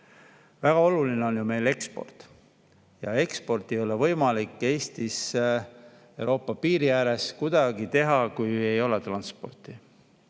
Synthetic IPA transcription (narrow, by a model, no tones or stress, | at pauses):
væɡ̥ɑo̞lulineo̞njume̞jle̞kspo̞̰rt̪ | jɑ̰e̞kspo̞rt̪ːˑe̞jo̞levɤ̞jmɑlikːˑe̞ːst̪is | e̞wɾo̞ːpːˑɑpiːɾijæːɾe̞skud̪̥ɑɡ̥it̪e̞ɦɑkuje̞jo̞let̪rɑnspo̞̰rt̪ˑi